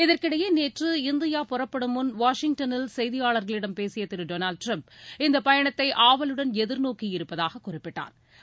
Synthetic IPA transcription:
ɪðɐrkɪɽɐjɐneːʈrɯɪnd̪ɪjaːpɔrɐpːɐɽɯmʊnʋaːʂɪŋ̚ʈɐnɪlsɛjðɪjaːɭɐɾɣɐɭɪɽɐmpeːsɪjɐt̪ːɪɾɯɖoːnaːɭɖ̚ʈrɐmpɪnd̪ɐpɐjɐɳɐt̪ːɐɪʔaːʋɐlɯɽɐnɛðɪɾnoːkijɪɾɯpːɐðaːɣɐkːʊrɪpːɪʈːa̰ːɾ

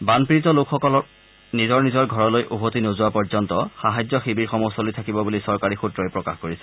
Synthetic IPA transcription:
banpiɹitɔlokʰxɔkɔlɔ | nizɔɹnizɔɹɡʱɔɹɔlojʔuɦotinozuwapɔɹzɔntɔxaɦajzɔxibiɹxɔmɔsɔlojtʰakibɔbulisɔɹkaɹixutɹɔjpɹɔkaxkoɹisɛ̥

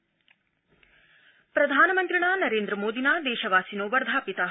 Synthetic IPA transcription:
pɾɐd̪ʱaːnɐmɐnt̪ɾiɳaːnɐɾeːnd̪ɾɐmoːd̪inaːd̪ɛːʃɐʋaːsinoːʋɐɾd̪ʱaːpit̪a

